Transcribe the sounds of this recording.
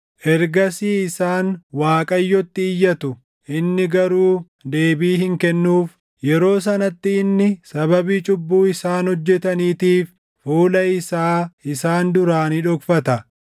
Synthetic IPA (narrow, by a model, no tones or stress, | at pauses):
ʔɛɾɡɐsiːɪsaːnwaːkʼɐjːɔt̪ːɪːjːɐt̪ʊ | ʔɪnːɪɡɐɾuː | d̪e̞ːbiːhɪŋkɛnːuːf | jɛɾo̞ːs̬ɐnɐt̪ːɪːnːɪsɐbɐbiːt͡ʃʼʊbːuːɪsaːnhɔd͡ʒːɛt̪ɐniːt̪iːfː | uːlɐɪsaːɪsaːnd̪ʊɾaːniᶑɔkfɐt̪ɐ